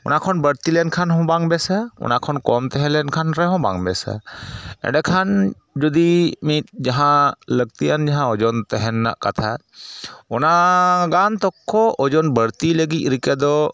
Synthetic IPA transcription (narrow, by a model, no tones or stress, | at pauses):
ɔ̰nakʰɔnbəɾt̪ilɛnkʰanɦɔ̃baŋbɛsaɔ̰nakʰɔnkɔmt̪ɛɦɛ̃lɛnkʰanɾɛɦɔ̃ba̰ŋbɛsa̰ɛ̰̃ɖɛkʰan | d͡ʒɔd̪imit̪̚d͡ʒaɦãləɡ̚t̪ijand͡ʒaɦãɔd͡ʒɔnt̪ɛɦɛnːa̰ʔkat̪ʰa | ɔnaɡant̪ɔkʰːɔʔɔd͡ʒɔnbəɾt̪iləɡic̪̚ˀɾikɛd̪ɔ